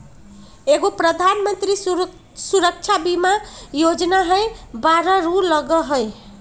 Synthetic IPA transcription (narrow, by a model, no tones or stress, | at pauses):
eɡopɾʌd̪ʱanmənt̪ɾi | suɾək̚t͡ʃʰabimajod͡ʒnaɦʌjbaɾʌɾulʌɡʌɦoj